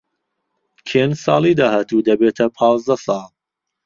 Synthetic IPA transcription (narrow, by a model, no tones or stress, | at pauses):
kʰeːnsɑ̰ːlˠiːd̪ahaːt̪ud̪ɐbeːt̪ʰɐpʰɑːzd̪ɐsɑːlˠ